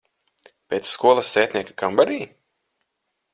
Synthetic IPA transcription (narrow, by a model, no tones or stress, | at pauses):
pʲeːt̪sːkuɔlˠɐsːeːt̪ʲniɛkḁkambaɾiː